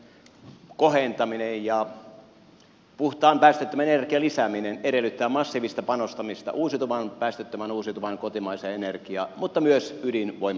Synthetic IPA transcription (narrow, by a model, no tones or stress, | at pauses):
kohent̪ɑminejjɑ | puht̪ɑːmpæˑːst̪et̪ːømænenerkiɑlisæmineneɾelːˑyt̪ːæːmɑsːiːʋist̪ɑpɑnost̪ɑmist̪ɑ̰ʔuːsit̪uʋɑnpæːst̪et̪ːømænuːsit̪uʋɑnkot̪imɑiseenerkiɑ̰ːmut̪ːɑmyøsydinʋoim